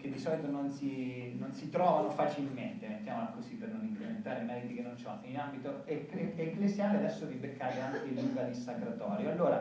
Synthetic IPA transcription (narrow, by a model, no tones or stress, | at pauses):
k̟ed̪ːisɔlit̪ononsinonsit̪ɾɔːvalofat͡ʃilment̪emet̪ːjaːmolakosipːernonĩŋkɾement̪aːɾemɛːɾit̪ikenːont͡ʃat̪ːinambit̪oekleːklezjaːlead̪ɛsːoribekʰːaːt̪eaŋk̟eluŋɡanisakɾat̪ɔːɾjoalːoːɾa